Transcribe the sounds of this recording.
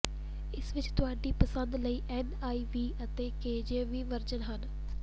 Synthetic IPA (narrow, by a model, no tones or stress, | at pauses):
ɪsʋɪt͡ʃt̪ʊaːɖiːpəsənd̪ləiːʔɛːn | aːiːʋiːət̪eːkeːd͡ʒeːʋiːʋəɾd͡ʒənɦən